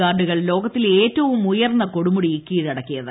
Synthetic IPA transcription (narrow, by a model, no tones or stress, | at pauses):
aːrɖuɣɐɭlo̞ːɡɐt̪ːile̞ːtːɐʋumujɐrnːɐko̞ɽumuɽiikːiːɾɐɽɐkːijɐðɨ